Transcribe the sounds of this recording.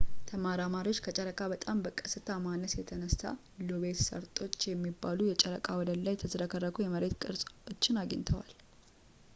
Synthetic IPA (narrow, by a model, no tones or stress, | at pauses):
t̪ʰəmaɾamaɾio̞t͡ʃːkʰət͡ʃʼəɾəkʼabət̪ʼambəkʼəsɨt̪ʰamanːəsjɛt̪ʰənəst̪a̰ | loβet̪sə̰ɾt̪ʼo̞t͡ʃːjɛmːibːalujɛt͡ʃʼəɾə̰kʼawɔd̪əllajt̪ʰəzəɾəkʰərːəkʰujɛməɾe̞t̪kʼɨɾsʼot͡ʃːɪnaɡə̰ɲt̪ʰəwa̰l